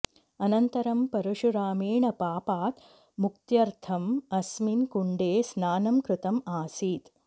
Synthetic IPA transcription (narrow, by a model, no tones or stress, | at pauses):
ɐnɐnt̪ɐɾɐmpɐɾuʃuɾaːmiːɳɐpaːpaːt̪ | muk̚t̪jɐɾt̪ʰɐmɐsminkuɳɖeːsnaːnɐmkɾɪt̪ɐmaːsiːt̪